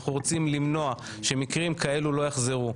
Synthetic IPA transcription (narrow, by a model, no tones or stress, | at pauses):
χuʁot͡simlimno̞a | ʃe̞mikʁimkae̞lulo̞jaχze̞ʁu